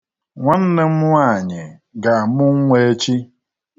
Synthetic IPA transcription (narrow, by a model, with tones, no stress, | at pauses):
ŋʷa˦n̩˦nɪ˦m̩ʷ˦a˦˨ɲɪ˨ | ɡa˨mʊ˦ŋ̩˦ŋʷe˦t͡ʃi˦